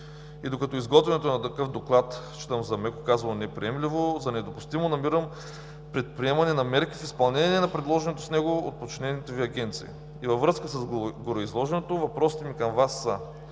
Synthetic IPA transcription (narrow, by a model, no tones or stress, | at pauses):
id̪okɐt̪ɔizɡɔt̪vɛnɛt̪onɐt̪ɐkɤfd̪oklˠat̪ | t͡ʃi̥t̪əmzɐmɛkokazvɐlˠonɛpɾḭɛmlivozɐnɛd̪opʊst̪imonɐmiɾəm | pɾɛt̪̚pɾiɛmɐnɛnɐmɛɾkifispɐlˠnɛnʲiɛnɐpɾɛd̪lˠɔʒɛnɛt̪o̥snɛɡoo̰t̪̚pot͡ʃinɛnit̪oviɐɡʲɛnt̪sḭḭː | vɐvɾɤskəsɐzɡɡoɾoizlˠɔʒɛnot̪ovɐpɾɔsit̪ɛmikɐmvasːə̰